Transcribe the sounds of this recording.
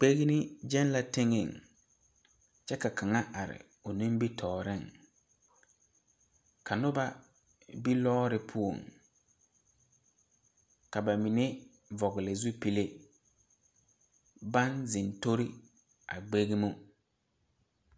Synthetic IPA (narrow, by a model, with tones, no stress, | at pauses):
k͡pe˦ɣi˦nɪ˦d͡ʒɛ˦nla˨tɪ˦ŋɪ˨ŋ | t͡ʃɛ˦ka˨kʰa˨ŋa˦ʔa˨ɾɪ̰˨ | ʊ˨nɪ̃˦mbi˦tʰɔː˨ɾɪ˦˨ŋ | ka˨nʊ˦ba˦ | bi˦lɔː˦ɾɪ˦pʰu˦o̰˨ŋ | ka˨ba˨mi˨ne˦ | vɔ˨ɣɪ˨lɪ˨zu˦pi˨le˦ | ba˦nzɪ˨nto˦ɾɪ˦ | a̰˨ɡ͡be˦ɣi˦mʊ˦